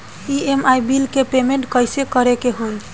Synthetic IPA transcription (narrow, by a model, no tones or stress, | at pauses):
iemajbilkepemeɳʈkəjsekəɾekeɦun